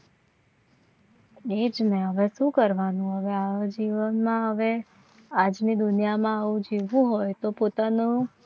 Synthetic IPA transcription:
ed͡ʒnɛɦəʋɛʃũkəɾʋanũɦəʋead͡ʒiʋənmãɦəʋe | ad͡ʒnid̪ʊnijamãaʋũd͡ʒiʋũɦojt̪opot̪anũ

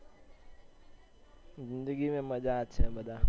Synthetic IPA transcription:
zɪnd̪əɡimẽmɐd͡ʒaːtːʃʰabɐd̪a

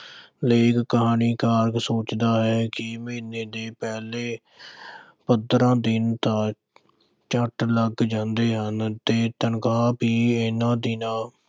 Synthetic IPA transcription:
leːkkəɦaːniːkaːɾksoːt͡ʃd̪aːɦɛːkɪmẽːnːeːd̪eːpɛːleː | pəd̪ɾãːd̪ɪnt̪ãː | t͡ʃəʈləɡd͡ʒãːnd̪eːɦənt̪eːt̪ənkaːpiːɪnãːd̪ɪnãː

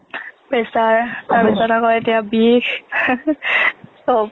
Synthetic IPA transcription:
bɛsaɹtaɹbɛsatakɔetijabik | so

